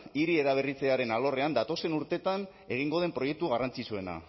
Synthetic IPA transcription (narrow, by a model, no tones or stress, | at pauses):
iɾie̞ɾaβ̞erit͡se̞aɾe̞nalo̞re̞and̪at̪o̞se̞nuɾt̪e̞t̪an | e̞ɣ̞iŋɡo̞ð̞e̞mpɾo̞je̞k̚t̪uɣ̞arant͡sisue̞na̰